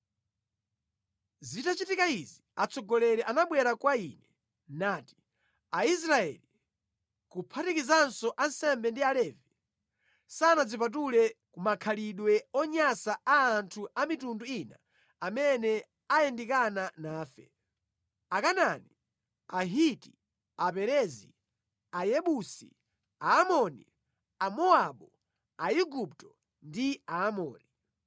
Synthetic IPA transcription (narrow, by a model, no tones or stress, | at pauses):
zitat͡ʃitikaiziat͡sʰɔɡɔlɛɾɛʔanaɓwɛɾakwainɛ | naːti̥ | ais̬ɾaɛ̰li | kupʰatikizansɔʔansɛmbɛndialɛːvi | saːnad͡zip̬at̬ulɛkumakʰaliɗwɛɔɲasaaːntʰuamitunduina̰ | amɛnɛ | ajɛndikananaːfɛ̰ | akanani | aɦiti | apɛɾɛzi | ajɛɓusḭ | aːmɔnḭ | amɔaɓɔ | aiɡup̚tɔ | ndiaːmɔ̰ːni